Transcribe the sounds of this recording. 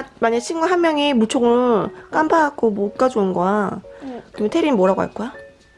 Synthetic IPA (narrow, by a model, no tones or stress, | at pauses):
amaɲaɕʰinɡwaɦanmjʌŋimut͡ɕʰoŋɯk͈ambʰaːɡobok͈ad͡ʑuɯnɡʌakɯɾimntʰeɾinmoɾaɡoa̰ɭk͈oja